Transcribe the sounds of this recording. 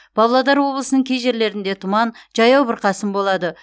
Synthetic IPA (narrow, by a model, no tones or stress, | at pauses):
b̥ɑblˠɑd̪ɑɾwo̞blˠəsənəɴkʲʰejʒe̞ɾle̞ɾɪnd̪e̞t̪ʰʊmɑnʒ̥ɑjɑwbɪɾqʰɑsəmbo̞lˠɑd̪ə